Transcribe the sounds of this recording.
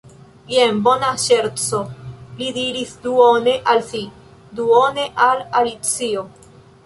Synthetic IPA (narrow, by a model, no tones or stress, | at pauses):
jembo̞naʃe̞ɾt͡solidiɾisduone̞ʔalsi | duone̞ʔalalit͡sio̞